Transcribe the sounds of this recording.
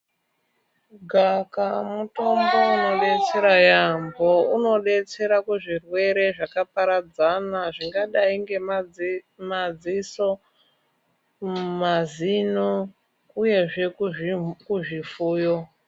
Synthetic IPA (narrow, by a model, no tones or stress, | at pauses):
ɡʱakamuto̞mbo̞uno̞ɗe̞t͡se̞ɾajambouno̞ɗe̞t͡se̞ɾakuʐirwe̞ɾe̞ʐakapaɾad͡zanaʐiŋɡaɗaiŋɡe̞m | mad͡ziso̞ | mazino | uje̞ʐe̞ | kuʐifuːjo